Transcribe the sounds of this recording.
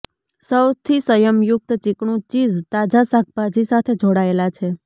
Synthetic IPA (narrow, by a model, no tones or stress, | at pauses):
səwt̪ʰisəjəmjʊk̚t̪t͡ʃɪkɳũt͡ʃizt̪ad͡ʒasak̚pad͡ʒisat̪ʰed͡ʒʱoɽaelat͡ʃʰe